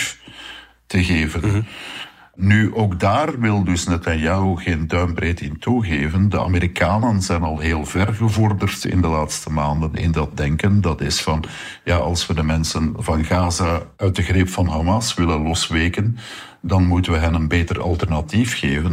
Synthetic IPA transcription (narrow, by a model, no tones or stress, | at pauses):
f | təɣeːvən | nyʔoːɡdaːrʋɪlˠdɵsnɛtanjaoɣeːndœɥmbreːtɪntuɣeːvəndəa̰meɾikʰaːnənzɛjnɑlˠɦeːlˠvɛrɣəvɔrdərtɪ̰ndəlaːtstəmaːndənɪ̰ndɑt̚dɛŋkəndɑtɪsfɑn | jaːʔɑlˠswədəmɛnsənvɑnɣaːzaœɥt̚dəɣrɪpfɑnɦamɑsʋɪlənlɔsʋeːkən | dɑnmutəʋəɦɛnənbeːtərɑ̰lˠtɛrnɑtifxeːvən